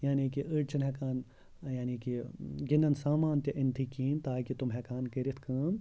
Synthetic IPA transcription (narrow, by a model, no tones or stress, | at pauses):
jaːniːkiʔəɽt͡ʃʰɐnɦɛkaːn | jaːniːkiɡɪnɐnsaːmaːnt̪jɐʔɪnt̪ʰikiːnt̪aːkit̪umɦɛːkaːnkɐɾit̪ʰkʰɐːm